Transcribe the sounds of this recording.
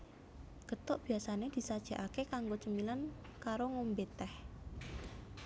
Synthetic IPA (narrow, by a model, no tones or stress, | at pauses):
ɡ̥ət̪ɔʔb̥i̤asaned̪̥i̤sad̥ʒ̥a̤ʔakekaŋɡot͡ʃəmbilan | kaɾoŋumbet̪ɛh